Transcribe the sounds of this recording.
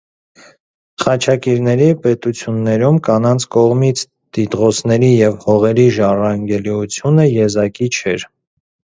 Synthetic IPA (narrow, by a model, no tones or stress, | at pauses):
χɑt͡ʃʰɑkiɾnɛɾipɛt̪ut͡sʰjunːɛɾumkɑnɑnt͡sʰkɔʁmit͡sʰ | t̪it̪ʁɔt͡sʰnɛɾijɛvhɔʁɛɾiʒɑrɑŋɡɛliut͡sʰjunəjɛzɑkit͡ʃʰɛɾ